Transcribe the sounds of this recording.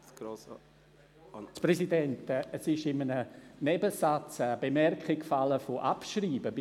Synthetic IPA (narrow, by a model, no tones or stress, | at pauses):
ɡ̥os | t͡spɾɛsidɛntɛəsɪʃɪmənənɛbəsat͡saːb̥emɛrkχɪkfaləfoʔapʃriːbəb